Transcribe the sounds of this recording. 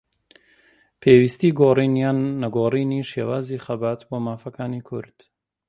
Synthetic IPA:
pʰewist̪iːɡoːrinannɐɡoːriniːʃeːwaːziːxɐbaːt̪boːmaːfɐkaːniːkʰʊ̰ɾd̪̥

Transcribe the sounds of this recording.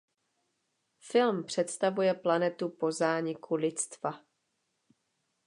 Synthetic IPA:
fɪlmpr̝̥ɛt̪st̪avujɛplanɛt̪upo̞zaːɲɪkʰulɪt̪t͡st̪va

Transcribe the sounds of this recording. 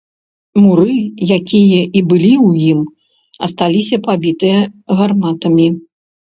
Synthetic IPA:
muɾɨjakʲijɐʔibɨlʲiwjim | ɐ̰st̪alʲisʲɐpabʲit̪ɨjɐɣarmat̪ɐmʲi

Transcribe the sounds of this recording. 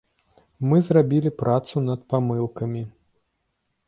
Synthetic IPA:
mɨzrabʲilʲipɾʔat̪sunɐt̪̚pamɨlˠkɐmʲi

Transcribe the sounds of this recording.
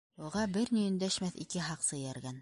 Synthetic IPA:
uʁɑbɘɾnijɵ̆nd̪æʃmæθikɘɦɑqsɤ̆jæɾɡæn

